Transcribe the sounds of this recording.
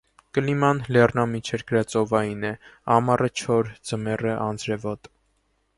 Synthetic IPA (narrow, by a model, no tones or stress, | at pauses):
kəlimɑnlɛrnɑmit͡ʃʰɛɾɡəɾɑt͡sʼɔvɑjinɛɑmɑrʔət͡ʃʰɔɾd͡zəmɛrəʔɑnd͡zɾɛvɔt̪ʼ